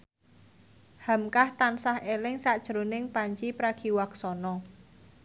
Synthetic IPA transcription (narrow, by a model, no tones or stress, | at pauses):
ha̤mkaht̪ansahelɪŋsaʔd̥ʒ̥ɾonɪŋpaɲt͡ʃipɾaɡ̥iwaksɔnɔ